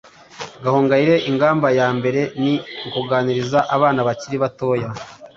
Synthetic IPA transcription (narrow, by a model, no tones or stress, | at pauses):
ɡahoːŋɡaiɾe̞ʔiŋɡaːmbajaːmbe̞ɾe̞niŋkuɡaːniɾizaʔaβaːnaβaciɾiβato̞ːja